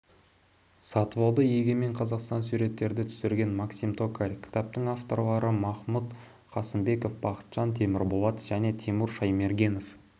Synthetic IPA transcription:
sɑt̪əβɑlˠd̪əjeɡʲeme̞ɴqʰɑzɑqst̪ɑnsuɾe̞t̪ːe̞ɾd̪ɪt̪ʰʏ̥sɪɾɡʲe̞nmɑksimt̪ʰo̞kaɾʲkʲʰɪ̥t̪ɑp̚t̪əŋaft̪o̞ɾlˠɑɾəmɑχmut̪ | qʰɑsəmbe̞ko̞fbɑqə̥t̪ʒ̥ɑnt̪ʰe̞mɪɾbolˠɑt̪ʒ̥æne̞t̪ʰemuɾʃɑjme̞ɾɡʲe̞no̞f

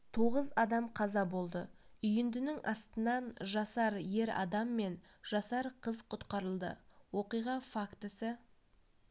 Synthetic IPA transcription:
t̪ʰo̞ʁəzɑd̪ɑmqʰɑzɑbo̞lˠd̪əʏjɪnd̪ɪnɪŋʔɑst̪ənɑnʒɑsɑɾje̞ɾɑ̰d̪ɑmːe̞n | ʒ̥ɑsɑɾqʰəzqʰʊt̪qɑɾəlˠd̪ə̰wo̞qijʁɑfakt̪əsə

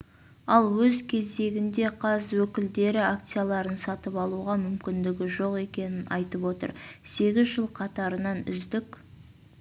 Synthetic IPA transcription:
ɑlˠwɵzkʲʰe̞zd̪e̞ɡʲɪnd̪e̞qʰɑzwɵkʲɪld̪e̞ɾɪakt̪sɨjalˠɑɾənsɑt̪əpɑlˠuʁɑmʏmkʲɪnd̪ɪɡʲɪʒo̞qe̞kʲe̞nɪnɑ̰jt̪əpwo̞t̪ə̰ɾse̞ɡʲɪzʒəlˠqʰɑt̪ɑɾənɑnʏ̰zd̪ɪkʲ

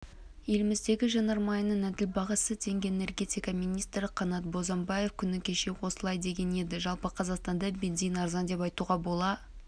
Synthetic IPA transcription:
je̞lɪmɪzd̪e̞ɡʲɪʒɑnɑɾmɑjənənæd̪ɪlbɑʁɑsət̪ʰe̞ŋɡʲeenerɡʲe̞t̪ijkaminʲijst̪ɾɪqʰɑnɑt̪̚bo̞zɑmbɑje̞fkʲʰʏnɪkʲʰe̞ʃe̞wo̞səlˠɑjd̪e̞ɡʲe̞ne̞d̪ɪʒɑlˠpəqʰɑzɑqst̪ɑnd̪ɑbʲenzijnɑɾzɑnd̪e̞pɑjt̪uʁɑbo̞lˠɑ

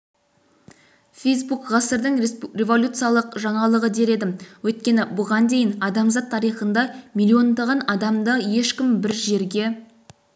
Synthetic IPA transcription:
fʲejs̬bukʁɑsəɾd̪əɴrʲe̞vo̞lʲut̪sɨjalˠəqʒɑɴɑlˠəʁəd̪e̞ɾe̞d̪ɪmwɵjt̪kʲe̞nɪbʊʁɑnd̪e̞jɪnɑd̪ɑmzɑt̪ʰːɑɾijχənd̪ɑmʲilʲːio̞nd̪ɑʁɑnɑd̪ɑmd̪əje̞ʃkʲɪmbɪɾʒe̞ɾɡʲe̞

